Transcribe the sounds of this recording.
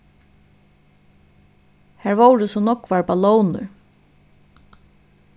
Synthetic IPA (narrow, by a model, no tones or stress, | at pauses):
hæːɹʋowɾəsɔnɔkːʋaɹbalɔːwnʏ̰ɹ